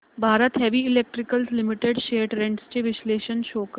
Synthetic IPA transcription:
bʱaːɾət̪ɦɛʋiɪlek̚ʈɾɪkəlslɪmɪʈeɖʃeːʈɾẽɳʈst͡ʃeʋɪʃleːʃənʃoːkə

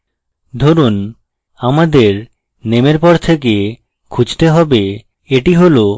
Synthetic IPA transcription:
d̪ʱoɾun | amad̪eɾ | nemeɾpɔɾt̪ʰek̬e | kʰud͡ʑt̪eɦɔbe | eʈiɦolo

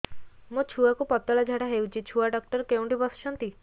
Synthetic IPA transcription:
mot͡ʃʰuakupɔt̪ːɔɭad͡ʒʱaɽaɦewt͡ʃʰit͡ʃʰuaɖɔk̚ʈɔɾkewɳʈibɔsʃʰɔnt̪i

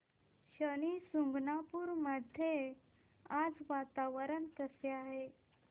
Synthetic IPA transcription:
ɕəñisuŋɡnapuːɾməd̪ʱje | ad͡zʋat̪aʋəɾənkəseaɦe

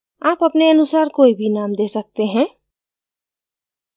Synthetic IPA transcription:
aːpəpneɐnʊsaːɾkoːibʱinaːmd̪esək̚t̪eɦɛ̃ː

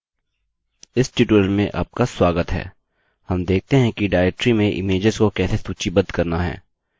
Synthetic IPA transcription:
ɪsʈiʈuəlmẽʔa̰ːp̚kaswaːɡət̪ɦɛ̰ː | hɐmd̪eːk̚ʰt̪eɦɛ̃kiɖaːɪʈɾimẽʔɪ̰meːd͡ʒɪzkokɛːsesuːt͡ʃibɐd̪kɐɾnaɦɛ̰ː

